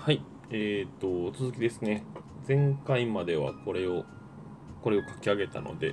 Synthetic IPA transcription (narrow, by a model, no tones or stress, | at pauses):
hai | eːt̪ːo̞t͡sɨzɨkʲid̪e̞sɨne̞zẽ̞ŋkaimad̪e̞β̞a̰ko̞ɾe̞o | ko̞ɾe̞o̞kḁkʲiaɡe̞t̪a̰no̞̰d̪e̞